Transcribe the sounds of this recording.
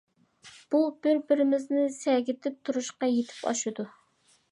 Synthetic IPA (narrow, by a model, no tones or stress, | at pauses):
b̥ubɪɾbɪɾɪmɪznɪsɛɡʲɪt̪ʰɪp̚t̪ʰuɾuʃqɑjet̪ʰɪ̥pʰɑ̰ʃɨd̪u